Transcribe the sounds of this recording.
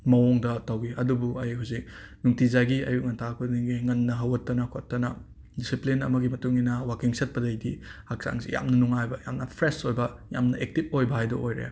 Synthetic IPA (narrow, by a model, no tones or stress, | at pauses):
mɐwoŋdɐtɐwɡiʔɐdubuɐjhawzik̚ | nuŋtizaɡiɐjuŋɐntʰakʰuiɡiŋɐnːɐɦɐwɐtːɐnɐkʰotːɐnɐ | disiplinɐ̰mɐɡimɐtuŋinɐwakiŋsɐt̚pɐdɐjdihak̚sa̰ŋsḭja̰mnɐnuŋajbɐja̰mnɐpʰɾesojbɐja̰mnɐʔek̚tip̚ojbɐhajdɐ̰ʔojɾɐ̰ja̰